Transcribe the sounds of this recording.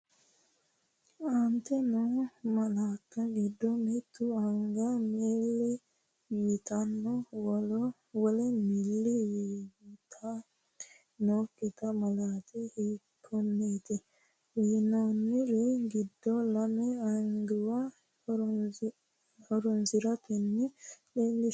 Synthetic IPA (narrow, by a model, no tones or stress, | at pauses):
ant̪ɛnɔmalaːkːaɡid̪ːɔmet̪ːuaŋɡamelːi | jit̪anːɔwɔlɔ | wɔlɛmilːijit̪ʰa | noːkːɪt̪ɐmɐlaːt̪ɛhiːkʰːɔnːeːt̪ɪ | iːnonːɪɾɛɡɪd̪ːɔlɐmɛɐŋɡɪwa | hɔɾɔnsɪɾɐt̪ɛnːɪɗeːlːɪ